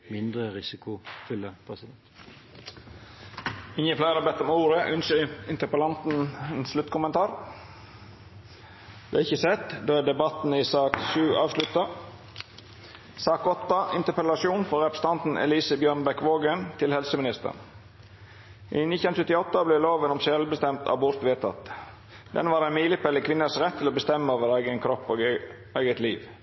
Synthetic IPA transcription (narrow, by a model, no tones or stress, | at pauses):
mɪnd̪ʁəʁɪsɪkʊfʉləpʰɾɛsɪd̪ɛnt̪ | ɪŋəpʰlæɪəɾɑbɛt̪ːɔmuːɾəʔʉnʃəɪnt̪əpəlɑnt̪n̩ɛnslʉt̪kʰʊmənt̪ʰɑːɾ | d̪ɛæɪçəsɛt̪d̪oːæd̪ɛbɑt̪n̩isɑːkʃʉːʔɑːʋslʉt̪ɑ | sɑːkɔt̪ːɑɪnt̪əpəlɑsuːnfɔɾɛpɾəst̪ɑnt̪n̩ɛ̰liːsəbjøːɳbɛkʋoːɡənt̪ʰɪlhɛlsəmɪnɪst̪ə̰ɳ | ʔinɪənsʉt̪ːɪɔt̪ːəblɛloːʋənɔmsɛlbəst̪ɛmt̪ʰɑ̰bʊɾt̪ʋeːt̪ʰɑ̰t̪ | d̪̥ɛ̰nʋɑːɾæɪnmiːlɪpʰɛləkʰʋɪnːəsɾɛt̪ʰːɪlɔbəst̪ɛmːəoːʋəɾæɪɡənkʰɾɔpːoːɡ | eːɡət̪liːʋ